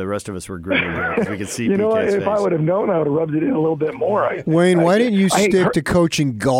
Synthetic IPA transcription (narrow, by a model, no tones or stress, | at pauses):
ðɨɹɛstʌvʌswə˞ɡɹwikɨ̥sijɨnoʊaɪfaɪwʊɾɨvnõʊ̃naɪwʊɾəɹʌb̚dɨɾɪɾəlɪɾl̩ˠbɪt̚mɔɹaɪwẽɪ̃nwaɪɾɪdⁿn̩t͡ʃɨstɪk̚tɨkʰoʊt͡ʃɪ̃ŋɡɔ